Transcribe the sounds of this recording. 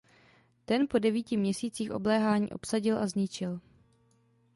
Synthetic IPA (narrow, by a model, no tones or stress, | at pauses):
t̪ɛnpo̞dɛviːcɪmɲɛsiːt͡siːxʔo̞̰blɛːɦaːɲḭːʔo̞psaɟɪlʔazɲɪt͡ʃɪl